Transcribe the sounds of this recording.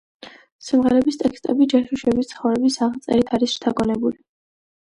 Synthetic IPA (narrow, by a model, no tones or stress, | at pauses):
simʁɛɾɛbist̪ʼɛkst̪ʼɛbid͡ʒɛɾʃiʃɛbist̪sʰχɔvɾɛbisaʁt̪sʼɛ̰ɾit̪ʰaɾisʃt̪ʰaɡɔnɛbuli